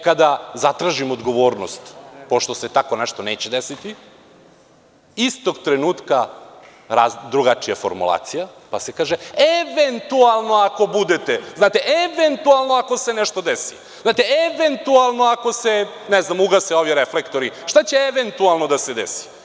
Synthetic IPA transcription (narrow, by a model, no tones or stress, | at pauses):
kad̪azat̪ɾaʒimod̪ɡo̞ʋoːɾnost̪po̞ʃt̪ose̞t̪akoneʃt̪o̞neːt͡ɕed̪esit̪i | ist̪o̞ɡt̪ɾenuːt̪ka | ɾad̪ɾuɡat͡ʃijafo̞̰ɾmṵlˠa̰ːt̪sijapasekaːʒeeʋent̪ualˠno̞ako̞bud̪et̪eznaːt̪eʔeʋent̪ualˠno̞ako̞seneʃt̪od̪esḭ | znaːt̪eeʋent̪ualˠnoako̞se̞ | neznamuɡaseo̞ʋiɾeflekt̪oɾiʃt̪at͡ɕeːʋent̪ualˠno̞d̪ased̪esi̥